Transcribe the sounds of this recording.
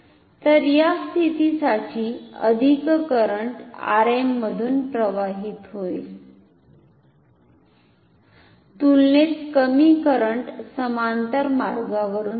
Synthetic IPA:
t̪əɾjast̪ʰit̪isaʈiːə̰d̪ʱikkəɾəɳʈa̰ɾemːəd̪ʱuːnpɾəʋaɦit̪ɦoil | t̪ulnet͡skəmikəɾəɳʈsəmant̪əɾmaɾɡaʋəɾuːn

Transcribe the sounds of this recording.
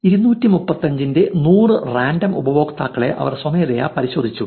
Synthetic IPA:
iɾunːuːtːimupːɐt̪ːɐɲd͡ʑinde̞nuːrɨraːndɐmubɐʋo̞ːɡɐt̪ːaːkːɐɭe̞̰ʔɐ̰ʋɐ̰rswɐmeːreja̰pɐɾiɕo̞ːd̪ʱit͡ɕːu

